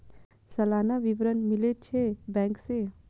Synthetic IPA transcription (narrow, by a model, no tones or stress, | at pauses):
sɐlaːnaʋiʋɾənmɪlet͡ʃʰebɛ̃ːŋkse